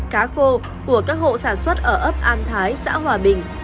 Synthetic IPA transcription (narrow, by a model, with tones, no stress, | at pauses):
kaː˨˦xo˧ | ku˧˩əkaː˦˥k̚ho̰˧˨saː˧˩nswə˦˥t̚ʔəː˧˩ʔəː˦˥p̚ʔaː˧nt̪ʰaː˨˦jsa̰ː˧˥ɦwaː˨˩ɓï˨˩ŋ̟